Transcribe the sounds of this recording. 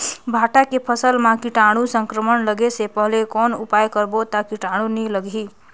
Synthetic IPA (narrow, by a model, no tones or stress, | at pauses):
bʱaʈakepʰəsəlmakiʈaɽ̃ũsəŋkɾəmənləɡesepəɦlekonupajkəɾbot̪akiʈaɽ̃ũniləɡʱi